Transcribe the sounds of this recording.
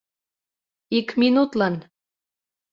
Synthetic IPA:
ikminut̪lɑn

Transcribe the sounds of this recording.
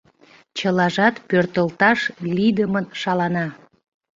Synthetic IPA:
t͡ɕəlɑʒɑt̪pørt̪əlt̪ɑʃlid̪əmənʃɑlɑnɑ

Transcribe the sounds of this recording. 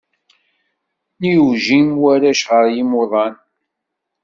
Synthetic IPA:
niuʒimwæɾæʃʁəɾjimʊðˤɑn

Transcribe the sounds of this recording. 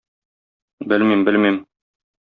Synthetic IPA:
bɘlmimbɘ̆lmim

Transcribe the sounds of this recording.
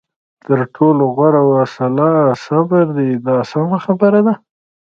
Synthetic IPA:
t̪əɾʈʰoloɣwaɾawasalasabəɾd̪id̪ɑsamaxabəɾad̪a

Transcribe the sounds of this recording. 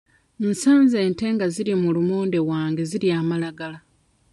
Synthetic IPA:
n̩saːnze̞ːnte̞ːŋɡaziɾimulumoːnde̞waːŋɡe̞ziliaːmalaɡala

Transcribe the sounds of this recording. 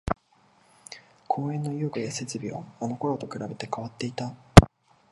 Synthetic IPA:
kʰo̞ːẽ̞nːo̞jokɯ̟jase̞t͡sɨbʲiβa̰ano̞ko̞ɾo̞t̪o̞kɯ̟ɾabe̞t̪e̞kaβat̪ːe̞it̪a

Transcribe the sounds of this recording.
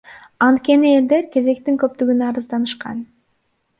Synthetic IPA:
ɑnt̪kʲe̞nie̞ld̪e̞ɾke̞ze̞kt̪iŋkø̞p̚t̪yɡynɑɾɯzd̪ɑnɯʃqɑ̰n

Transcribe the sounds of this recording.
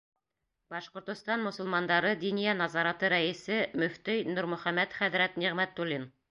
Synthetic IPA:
bɑʃqŏɾt̪ŏst̪ɑnmŏsŏlˠmɑnd̪ɑɾɤd̪inijænɑzɑɾɑt̪ɤɾæɘ̆sɘmɵ̆ft̪ɘjnuɾmɵ̆χæmːæt̪χæðɾæt̪niʁmæt̪ːulʲːin

